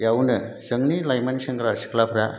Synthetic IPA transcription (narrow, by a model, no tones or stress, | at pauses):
jawnəsəŋɡnilajmansɐŋɡɾasi̥klapʰɾa